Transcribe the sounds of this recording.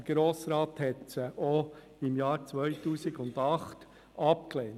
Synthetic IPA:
əɡ̥ɾoːsɾɑːthɛtsəʔɔ | ɪmjɑːɾt͡sʋœjtuːsɪɡʊndɑχt | ɑp̚kleːn

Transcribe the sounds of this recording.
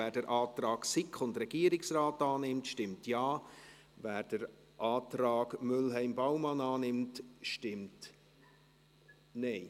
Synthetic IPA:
æːɾdəɾʔɑːtrɑːɡsɪkʰχʊndɾɛɡ̥iːəɾɪksrɑːtɑːnɪmtʃtɪmtjɑː | væːɾd̥əɾ | ʔɑːtɾɑːɡmʏlɦɛɪmbawmɑnɑːnɪmtʃtɪmt | nɛɪ

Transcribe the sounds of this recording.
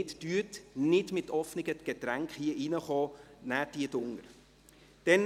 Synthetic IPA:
ɪtd̥yːətnɪtmɪtʰɔfnɪɡət̪ɡ̥etɾæŋkχhiəʔinəχɑːnæːd̥iədʊŋəɾ | d̥ɛn

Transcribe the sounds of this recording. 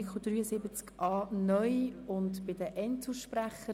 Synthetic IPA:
kʰod̥̪ryːəsɪbət͡skʔɑːnœjʊntbɪd̪əʔɛntsəʃpræχə

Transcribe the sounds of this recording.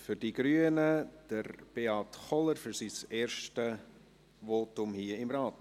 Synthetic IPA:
fʏɾd̥iɡ̥ɾyːənəd̥əɾb̥eːɑtχɔləɾfyɾsiseːɾʃtə | ʋoːtʊmhiːəɪmɾɑːt

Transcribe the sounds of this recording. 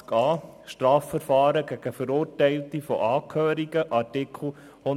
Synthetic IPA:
kɑː | ʃtɾɑːfəɾfɑːɾəɡæɡ̥əfəɾʊːɾtɛɪltifɔ̰ʔɑːkʰhøːɾiɡəʔɑɾtɪkʰl̩ˠ | hʊ

